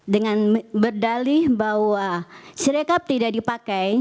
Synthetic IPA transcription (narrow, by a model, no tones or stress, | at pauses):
dəŋanbərdalihbahwasəɾekap̚t̪idaʔdipakaj